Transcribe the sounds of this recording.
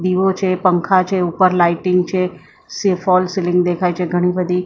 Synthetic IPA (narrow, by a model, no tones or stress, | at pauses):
d̪iːʋot͡ʃepə̃ŋkʰat͡ʃeupəɾlaːɪʈɪ̃ŋɡt͡ʃe | sefʰɔːlsɪlɪ̃ŋɡd̪eːkʰaːit͡ʃeɡʱɐɽ̃ibəd̪i